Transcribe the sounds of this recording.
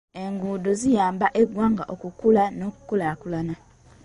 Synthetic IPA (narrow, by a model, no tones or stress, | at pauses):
e̞ŋɡuːdozijaːmbaʔeɡwaːŋɡaʔokukulanoku̥kolakulana